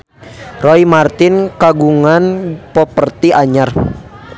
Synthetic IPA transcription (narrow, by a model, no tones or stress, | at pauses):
rɔimart̪ɪnkaɡuŋanpɔpərt̪iʔaɲar